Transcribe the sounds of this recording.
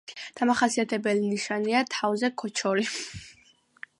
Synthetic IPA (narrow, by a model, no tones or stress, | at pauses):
d̪̥amaχasiat̪ʰɛbɛliniʃaniat̪ʰavzɛkʰɔt͡ʃʰɔɾi